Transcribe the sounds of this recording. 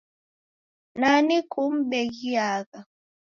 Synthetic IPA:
nanikum̩ɓɛɡiaka

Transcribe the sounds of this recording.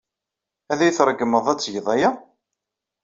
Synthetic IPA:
æðæjθɾˤəɡːəməðˤæt͡sːʝəðˤæjæ

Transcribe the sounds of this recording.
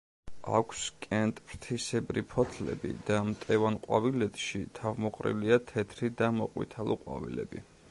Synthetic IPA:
a̰kʷʰskʼɛnt̪ʼpʰɾt̪ʰisɛbɾipʰɔt̪ʰlɛ̰bḭd̪̥amt̪ʼɛvanqʼwavilɛt̪ʼʃit̪ʰavmɔqʼɾḭliat̪ʰɛt̪ʰɾid̪amɔqʼwḭt̪ʰalˠuqʼwa̰vḭlɛ̰bi

